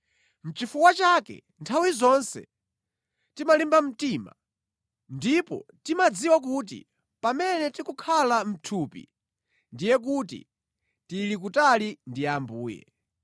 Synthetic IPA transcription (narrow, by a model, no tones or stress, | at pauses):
m̩t͡ʃifukwat͡ʃakɛ̰ | ntʰawizɔnsɛ̰ | timalimbam̩tiːma̰ | ndipɔ̰timad͡ziwak̬uːt̬ḭ | pamɛnɛtikukʰalam̩tʰuːpḭ | ndijɛk̬utḭ | tilik̬utalindiambuːjɛ̰